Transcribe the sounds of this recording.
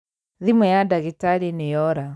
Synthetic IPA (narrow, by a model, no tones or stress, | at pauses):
ðimɛjadaɣitaɾinejɔɾa